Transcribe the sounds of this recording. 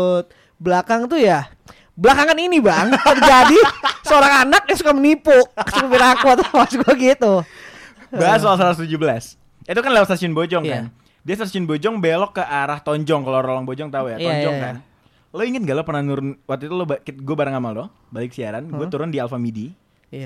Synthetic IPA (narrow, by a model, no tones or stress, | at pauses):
t̪̚ | blakaŋt̪uja | bəlakaŋaninibaŋt̪ərd͡ʒadisəoɾaŋanak̚daŋsukamənipʊ̥sukəbiɾakuat̪pasɡuaɡit̪u | bas̬olsaɾast̪ud͡ʒubəlas | it̪ukanlɛwst̪asiʊnbod͡ʒɔŋkan | diast̪asiʊnbod͡ʒɔŋbelɔkːəʔaɾaht̪ɔɲd͡ʒɔŋkaloɾolɔŋbod͡ʒɔŋt̪aujaɔɲjd͡ʒɔŋkan | loiŋat̪̚ŋɡalopərnahnuɾʊnwak̚t̪uit̪ulobakɡuabaɾəŋamaldʊh | balɪkə̥siaɾanɡuat̪uɾʊndialfamidi